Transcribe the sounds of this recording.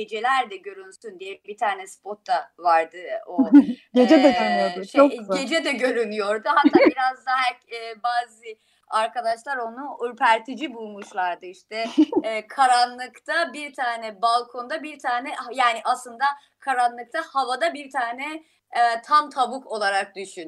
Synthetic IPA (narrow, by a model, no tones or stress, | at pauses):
ed͡ʒe̞lʲæɾd̪ɛɟø̞ɾynsynd̪ijɛbit̪ʰaːnɛspʰot̪ːavaɾd̪ɯoɟed͡ʒɛd̪ɛɡønyjoɾd̪uʃʰoɟe̞d͡ʒɛd̪ɛɟø̞ɾynyjo̞ɾd̪uhat̪ʰːaːbiɾazd̪aɦɛɾcɛːbaːzɯ | aɾkad̪aʃlˠaɾo̞nuylpʰæɾt̪ʰid͡ʒibulˠmuʃlˠaɾd̪ɯiʃt̪ʰɛːkʰaɾanlˠɯkt̪ʰabiɾt̪ʰaːnɛbalˠkʰo̞nd̪abiɾt̪ʰaːnɛhjaːniʔaslˠɯnd̪a | kʰaɾanlˠɯk̚t̪ʰahavad̪abiɾt̪ʰaːnɛ | t̪ʰamt̪ʰabukʰo̞lˠaɾak̚d̪yʃyn